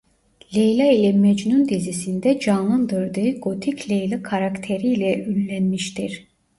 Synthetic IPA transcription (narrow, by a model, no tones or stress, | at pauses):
lʲejlʲˠailʲɛmɛd͡ʒnund̪izisind̪ɛd͡ʒanlˠɯnd̪ɯɾd̪ɯɯɡot̪ʰiclʲejlʲˠakʰaɾakt̪ʰeɾiːlʲɛʔylʲːænmiʃt̪ʰiɾ̥